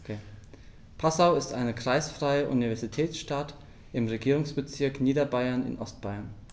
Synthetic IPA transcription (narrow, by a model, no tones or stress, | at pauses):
pʰasaʊɪstʔaɪnəkʁ̥aɪsfʁ̥aɪəʔṵnivɛɐzitʰɛːsʃtat | ʔɪmʁeɡiːʁʊŋsb̥ət͡sɪɐkniːdɐbaɪɐnɪ̰nʔɔst̚b̥aɪɐn